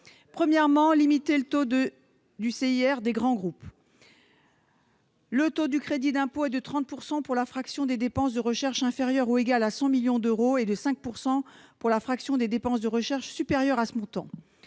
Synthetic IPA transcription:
pχəmjɛʁmɑ̃limit̪elət̪od̪ə | d̪yseiɛʁd̪eɡʁɑ̃ɡʁup | lət̪od̪ykχed̪id̪ɛ̃poɛd̪ət̪χɑ̃t̪̚puʁsɑ̃puʁlafχaksjɔ̃d̪ed̪epɑ̃sd̪əʁəʃɛʁʃɛ̃feʁjœʁueɡalasɑ̃miljɔ̃d̪øʁoed̪əsɛ̃k̚puʁsɑ̃ | puʁlafχaksjɔ̃d̪ed̪epɑ̃sd̪əʁəʃɛʁʃsypeʁjœʁasəmɔ̃t̪ɑ̰̃

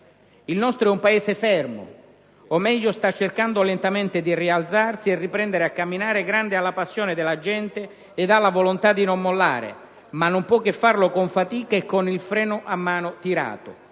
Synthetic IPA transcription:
ilnɔst̪ɾoɛumpaɛːsefɛrmʊ̰ | omɛʎːʊst̪at͡ʃːerkand̪ʊlɛnt̪amɛnt̪ɪd̪iriald̪zarsierːipɾɛnd̪eɾeakːamːinaːɾɪɡɾand̪ɪalːapasːjoːnɪd̪ɪlːad͡ʒɛnt̪ɪː | d̪alːavolont̪ad̪inomːolːa̰ːɾɪ̰ | manːompwɔkːefːarlʊkʊɱfat̪iːkaekːonilfɾɛːnʊʔamːaːnʊt̪iɾa̰ːt̪ʊ

